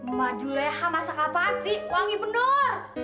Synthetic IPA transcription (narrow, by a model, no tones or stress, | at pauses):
məmad͡ʒulɛhamasakapasihwaŋibənɔr